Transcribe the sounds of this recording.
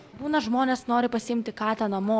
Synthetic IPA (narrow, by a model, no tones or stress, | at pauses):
buːnɐʒmoːnʲeːsnoːɾʲɪpɐsʲɪɪmʲt̪ʲɪkɑːt̪ʲɛnɐmoː